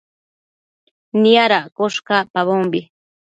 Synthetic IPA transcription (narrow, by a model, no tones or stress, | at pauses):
nijaɾakoʃkapaβombi